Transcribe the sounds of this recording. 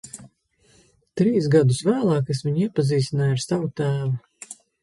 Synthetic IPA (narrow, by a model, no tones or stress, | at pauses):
t̪ɾiːsɡad̪usvæːlˠɑːkasvʲiɲiɛpaziːst̪ʲinaːjaɾsavut̪æːvu